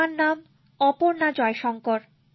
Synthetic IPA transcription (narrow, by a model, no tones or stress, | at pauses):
anːam | ɔpoɾnad͡ʑɔeʃɔŋkoɾ